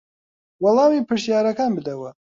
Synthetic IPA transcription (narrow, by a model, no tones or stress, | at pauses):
wɑlˠɑːmiːpʰɨɾʃjaːɾɐkaːnbɨd̪ɐwɐ